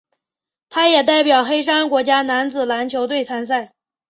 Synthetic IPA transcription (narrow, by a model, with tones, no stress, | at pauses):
t̪ʰa˥jɛ˨˩t̪a˥˩ɪpjɑ˨˩ʊxe˥ɪʂa˥nkwɔ˧˥t͡ɕja˥na˧˥nd͡zɹ̩˨˩la˧˥nt͡ɕʰjo˧˥ʊt̪we˥˩ɪt͡sʰa˥ns̬a˥˩ɪ